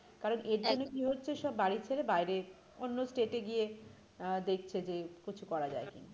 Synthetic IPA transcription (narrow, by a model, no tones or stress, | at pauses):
kaɾoneɾd͡ʑonːokiɦotːɕʰeʃɔbːaɽit͡ɕʰeɾebajɾe | onːosʈeʈeɡije | d̪ek̚ʰt͡ɕʰed͡ʑekit͡ɕʰukɔɾad͡ʑa̰ekina